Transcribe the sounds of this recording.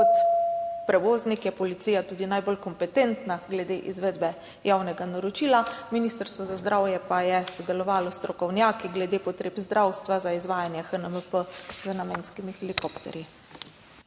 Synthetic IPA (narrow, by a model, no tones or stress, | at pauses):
kɔt̪pɾɛʋoːznikjɛpɔlit̪sijat̪uːd̪inajbolkɔmpɛt̪eːnt̪naɡlɛd̪eʔizʋeːd̪bɛ | jaːwnɛɡanaɾɔt͡ʃiːlaminist̪əɾst̪ʋɔzazd̪ɾawjɛpajɛsɔd̪ɛlɔʋaːlɔst̪ɾɔkɔwnjaːkiɡlɛd̪eːpɔt̪ɾeːbzd̪ɾawst̪ʋazaizʋaːjanjɛxənəməpəzənameːnskimixɛlikoːpt̪ɛ̰ɾji